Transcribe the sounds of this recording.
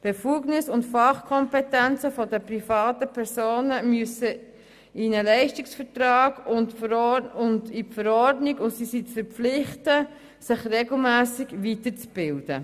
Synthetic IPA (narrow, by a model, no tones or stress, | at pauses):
b̥efuːɡnɪsʊntfɑχkʰɔmpɛtænt͡səfɔdəprifɑːtəpʰɛɾsoːnəmyəsə | inəlɛɪʃtɪksfəɾtrɑːɡʊntfɾʊndifəɾɔrdnɪɡʊsisitfəɾpp͡flɪχtə | sɪχreɡl̩mæːsɪɡvitəɾt͡sb̥ɪld̥ə